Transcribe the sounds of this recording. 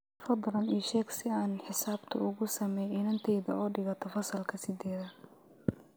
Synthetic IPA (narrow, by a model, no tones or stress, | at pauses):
fɐd̪ɾɐniːʃɛːɡsɪaːnħɪsaːbt̪ʰɐʊɣʊsɐmɛjɪnɐnt̪ʰɛjðɐɔːɖɪɣɐt̪ʰɔfɐsɐlkʰɐsɪd̪ɛːðɐ